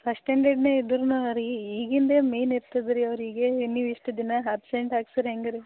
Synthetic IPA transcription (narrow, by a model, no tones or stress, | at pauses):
pʰɐʂʈeɳɖeɖneːid̪ɾunuɐɾiiːɡind̪emeːniɾt̪id̪ɾiɐʋɾiːɡeinːiʋiʂʈɐd̪inɐɦɐːpseɳʈaːɡsɐɾɦeŋɡɐɾi